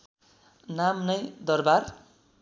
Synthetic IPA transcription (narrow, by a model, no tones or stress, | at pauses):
namnʌjd̪ʌrbar